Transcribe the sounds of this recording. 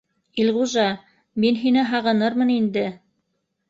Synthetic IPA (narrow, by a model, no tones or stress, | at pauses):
ilʁuʒɑ | minɦinɘɦɑʁɤ̆nɤɾmɤnind̪ɘ